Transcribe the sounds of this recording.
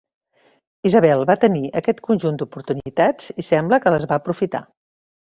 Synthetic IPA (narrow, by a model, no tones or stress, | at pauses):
izəβɛlˠβat̪əniʔəkɛt̪kunʲʒund̪upuɾt̪unit̪ad͡zisɛmbləkələzβaəpɾufit̪a̰